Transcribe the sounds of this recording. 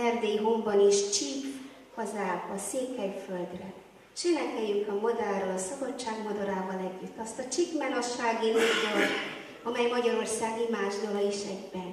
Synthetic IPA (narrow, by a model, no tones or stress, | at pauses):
ɛrd̪ejɦo̞mbɒniʃt͡ʃip | hɒzaːbɒseːkɛjfø̞ld̪rɛ | ʃenɛkɛjːyŋkɒmod̪alrolɒsɒbɒtt͡ʃːaːɡmɒd̪ɒɾaːvɒlɛɟːyt̪ːɒst̪ɒt͡ʃikmɛnɒʃaːɡinod̪ot | ɒmɛjmɒɟɒɾo̞rsaːɡimaːʒd̪olɒiʃɛɡbɛn